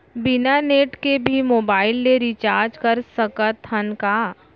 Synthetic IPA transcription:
bɪnaneːʈkebʱimoːbaːɪlːeɾit͡ʃaːɾd͡ʒkəɾsəkət̪ɦənka

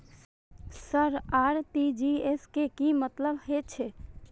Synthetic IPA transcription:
səɾaːɾt̪id͡ʒieskekimət̪ləbhet͡ʃʰe

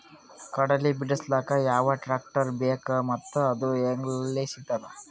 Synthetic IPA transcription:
kɐɽɐlibiɽɐslaːkɐjaːʋɐʈɾaːk̚ʈɐɾbeːkɐmɐt̪ːuɐd̪ueŋɡlɐlːisit̪ːɐɾɐ

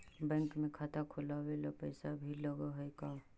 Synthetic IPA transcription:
bɛ̃ːŋkmẽkʰaːt̪akʰʊlawelapɛːsabʱilɐɡaɦʊeka

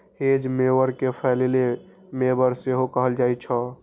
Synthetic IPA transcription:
hed͡ʒmebəɾkepʰɛlele | mebəɾseɦokəɦəld͡ʒat͡ʃʰɔ

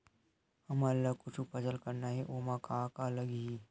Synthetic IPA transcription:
əmalːakut͡ʃʰupəsəlkəɾnaɦeʔomakakaləɡɦi

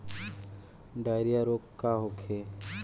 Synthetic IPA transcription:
ɖaːɪɾijaɾokːaɦokʰe

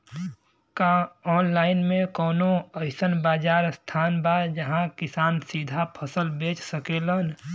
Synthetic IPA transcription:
kaɔːnlaːɪnmẽkɔːnoəɪsənbaːd͡ʒaːɾst̪ʰaːnbad͡ʒəɦãkɪsaːnsiːd̪ʱapʰəsəlbeːt͡ʃsəkeːlən

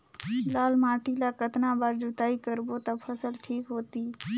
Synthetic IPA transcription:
laːlmaːʈilakət̪nabaːɾd͡ʒut̪aːikəɾbot̪əpʰəsəlʈʰiːkɦoːt̪iː

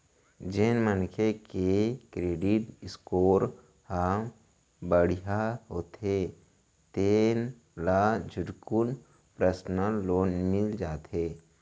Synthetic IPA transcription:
d͡ʒenmənkʰekekɾeːɖɪʈɪskoːɾ | ham | bəɽ̤ijaɦoːt̪e | t̪eːn | lad͡ʒʱʊʈkʊn | pɾəsnəloːnmɪld͡ʒaːt̪ɦeː

